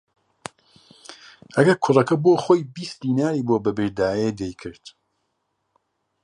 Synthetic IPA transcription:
ʔɐɡɐɾkʰʊrˤɐkɐboxoːjbist̪d̪iːnaːɾiːboːbɐbɨɾd̪aːjed̪ejkʰɨɾd̪̥

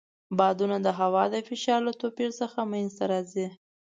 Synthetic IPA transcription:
bɑd̪unad̪əɦawɑd̪əfɪʃɑɾlət̪opiɾsəxamajnzt̪aɾɑzi

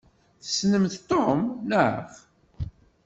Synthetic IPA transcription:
θə̥snəmθt̪ˤːomnəʕf

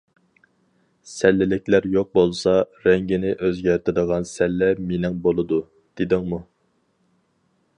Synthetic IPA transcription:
sɛlːɪlɪkʲlæɾjoq̚bolˠsɑ | ɾɛŋɡʲɪnɪʔøzɡʲæɾt̪ʰɪd̪əʁɑnsɛlːɛmenɪŋbolˠɨd̪u | d̪̥ed̪ɪŋmu

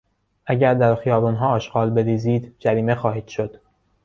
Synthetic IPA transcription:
ʔæɟæɾd̪æɾxijɒːbuːnɦɒːɒːʃɢɒːlbe̞ɾiːziːd̪d͡ʒæɾiːme̞xɒːhiːd̪̥ʃod̪̥

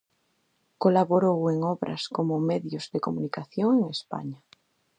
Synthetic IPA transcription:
kolaβoɾoweŋɔβɾʔa̰skomʊmɛðjozðekomunikaθjoŋeŋespa̰ɲa

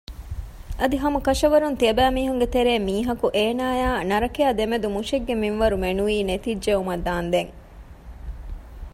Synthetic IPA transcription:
ʔɐd̪iɦɐmɐkɐʃɐʋɐɾunt̪iɐbæːmiːɦuŋɡet̪eɾeːmiːɦɐkuʔeːnaːjaːnɐɾɐkeaːd̪emed̪umuʃeɡːeminʋɐɾumenuiːnet̪id͡ʒʒeumɐd̪aːnd̪eŋ

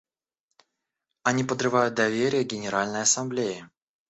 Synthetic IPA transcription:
ɐnʲipəd̪rɨvajʊt̪̚d̪ɐvʲeɾʲɪjəɡʲɪnʲɪɾalʲnəjɐsɐmblʲejɪ

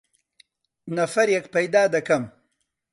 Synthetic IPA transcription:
nafaɾjakpajd̪aːd̪akam

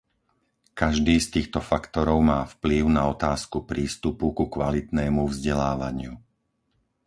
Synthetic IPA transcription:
kaʒd̪iːst̪iːxt̪ɔfakt̪ɔɾɔʊmaːfpliʊnaɔt̪aːskupɾiːst̪upukukʋalit̪nɛːmuvzɟɛlaːʋaɲɪu

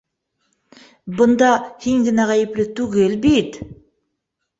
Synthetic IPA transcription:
bʊnd̪ɑhiŋɡɪnæʁæjɪplɪt̪ʰuɡʲelbet̪

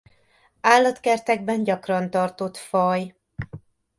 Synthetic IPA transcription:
aːlːɒt̪kɛrt̪ɛɡbɛnɟɒkrɒnt̪ɒrt̪o̞t̪fɒj

